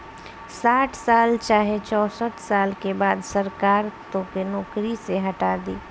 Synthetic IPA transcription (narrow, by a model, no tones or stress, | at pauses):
saːʈʰsaːlt͡ʃaːɦet͡ʃɔːsət̪saːlkebaːd̪sɐɾkaːɾt̪õkenɔːkɾiseɦɐʈaːd̪ḭː